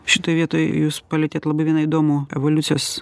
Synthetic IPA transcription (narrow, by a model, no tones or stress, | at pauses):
ʃʲɪt̪oːjʋʲiɛt̪oːjjuːspɐlʲɛt̪ʲeːt̪lˠɐbɐɪʋʲiɛnɐɪd̪oːmuːɛ̰ʋolʲʊt̪sʲɪjoːs